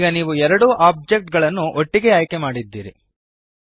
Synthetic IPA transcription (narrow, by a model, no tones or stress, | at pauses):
ɡɐniːʋuɛɾɐɽuːʔaːb̚d͡ʒek̚ʈ̚ɡɐɭɐnːuʔoʈːiɡe̞aːjkemaːɽid̪ːiːɾi